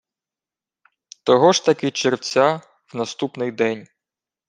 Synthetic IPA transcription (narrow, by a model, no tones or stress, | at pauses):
t̪ɔɦɔʒt̪ɐkɪt͡ʃeɾwt͡sʲa | wnɐst̪upnɪjd̪ɛnʲ